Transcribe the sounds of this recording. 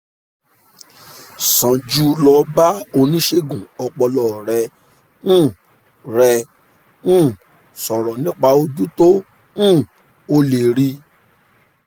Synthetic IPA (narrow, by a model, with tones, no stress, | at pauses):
sã˨d͡ʒu˧lɔ˧ba˦o˧nĩ˦ʃe˧ɡũ˨ɔ˧k͡pɔ˧lɔ˨ɾɛ˧ | ñ̩ː˦˨ | ɾɛ̃˧˦˨ | sɔ˨ɾɔ˨nĩ˦k͡pa˧o˧d͡ʒu˦tõ˦˨ | o˧le˨ɾi˧˦